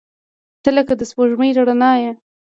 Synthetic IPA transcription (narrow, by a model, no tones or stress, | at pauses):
t̪əlakad̪əspoʒməjɾaɽanɑja